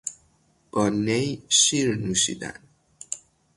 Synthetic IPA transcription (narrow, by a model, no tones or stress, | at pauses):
b̥ɒnejʃiɾnuʃḭd̪a̰n